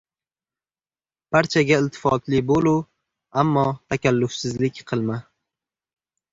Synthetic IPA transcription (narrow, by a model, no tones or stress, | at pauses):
b̥aɾt͡ʃʰaɡʲaɪlt̪ʰɪ̥fɒt̪lɪbolu | amːɒt̪ʰakʲalːʊfsɪzlɪkʲqʰɨlˠma